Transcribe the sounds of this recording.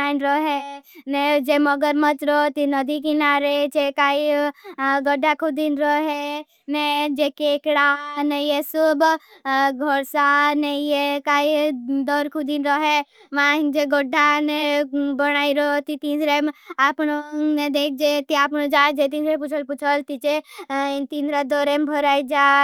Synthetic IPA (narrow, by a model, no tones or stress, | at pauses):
aːnɾoɦɛned͡ʒeməɡəɾmət̪ɾot̪inɐd̪ikinaːɾed͡ʒekaːi | ɡɔɖʱːakʰud̪inɾɔɦɛ | ned͡ʒekeːkɽanejesʊb | ɡʱɔɾsanejekaːid̪ɔɾkʰud̪inɾɔɦe | ʋãd͡ʒeɡoɖʱanebəɽ̃aːiɾot̪it̪iːnɾemapnoned̪eːk̚ʰd͡ʒet̪iaːpnod͡ʒaːd͡ʒet̪̬iːnɾep̬ut͡ʃʰəlput͡ʃʰəlt̪it͡ʃe | t̪iːnɾad̪oɾembʱɔɾaːid͡ʒaː